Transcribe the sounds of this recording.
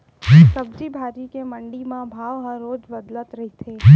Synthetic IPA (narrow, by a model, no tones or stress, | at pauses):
səb̚d͡ʒibʱaːɾikemə̃ɳɖimãbʱaːʋɦəɾoːd͡ʒbəd̪lət̪ɾɐɦit̪ʰeː